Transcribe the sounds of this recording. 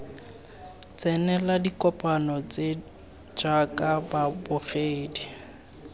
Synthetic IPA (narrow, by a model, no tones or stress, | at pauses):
t͡sʼɛnɛladikʼɔpʼanɔt͡sʼe | d͡ʒakʼababʊɣeːdi